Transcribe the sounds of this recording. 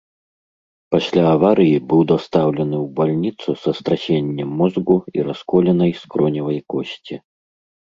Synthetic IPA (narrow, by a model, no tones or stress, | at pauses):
pasʲlʲaːvaɾɨjibɨwd̪ast̪awlʲɐnɨwbalʲnʲit̪susɐst̪ɾasʲenʲːɛmːɔzɡuḭɾaskɔlʲɛnɐjskɾɔnʲivɐjkɔsʲt͡sʲi